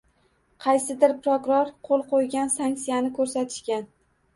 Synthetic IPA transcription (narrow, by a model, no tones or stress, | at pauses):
qʰɑjsɪd̪ɪɾpɾokʊɾoɾqʰolˠqʰojɡʲansaŋkt̪sijanɪkʰɵɾsat̪ʰɪ̥ʃkʲan